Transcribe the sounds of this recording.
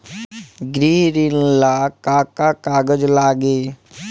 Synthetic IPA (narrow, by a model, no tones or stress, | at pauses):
ɡɾiɾɪnlakaːkakaːɡəd͡ʒlaːɡeː